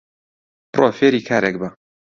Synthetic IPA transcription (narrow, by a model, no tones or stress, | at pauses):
prʔoːfeːɾiːkʰaːɾek̚bɐ